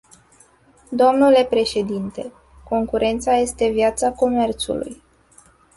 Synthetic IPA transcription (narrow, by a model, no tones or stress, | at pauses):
d̪o̞mnule̞pɾe̞ʃe̞d̪int̪e̞ | ko̞ŋkuɾʔe̞nt̪saje̞st̪e̞vijat̪sako̞me̞rt̪sṵlṵj